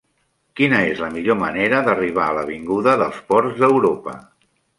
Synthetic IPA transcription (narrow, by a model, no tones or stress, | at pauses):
kinəezləmiʎoməneɾəðəriβ̞aələβ̞iŋɡuðəðəlˠspɔɾzðəwɾopə̰